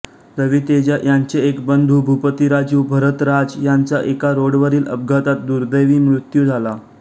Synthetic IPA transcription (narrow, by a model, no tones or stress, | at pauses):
t̪əʋiːt̪ed͡ʑajaɲt͡ɕeekbənd̪ʱubʱupət̪iɾad͡zuːbʱəɾət̪ɾad͡zjaɲt͡saʔekaɾoɽʋəɾiːlʔəb̚ɡʱat̪at̪̚d̪uɾd̪əjʋiːmɾut̪juːd͡zʱala